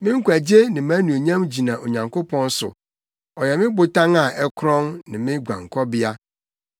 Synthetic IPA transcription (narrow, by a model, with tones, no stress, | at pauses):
mɪ̃˦ŋ̩˦kʷæ˨d͡ʑe˦nɪ̃˨mã˦nũ˨o˨ɲã˦md͡ʑi˨nã˨ʔo˨ɲã˨ŋkʊ˦pʰɔ̃˦n˦sʊ̰˨ | ɔ˨jɛ˨mɪ̃˦bʊ˨tʰã˦ŋa˨ʔɛ˦kʰɾɔ̃˦nnɪ̃˨mɪ̃˦ɡʷã̰˨ŋ˨kʰɔ˦bɪ˦a˦